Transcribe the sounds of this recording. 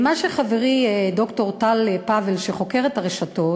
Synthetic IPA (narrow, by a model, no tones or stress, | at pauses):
maʃeχaveʁido̞kto̞ʁtalepavelʃeχo̞ke̞ʁetaʁeʃato̞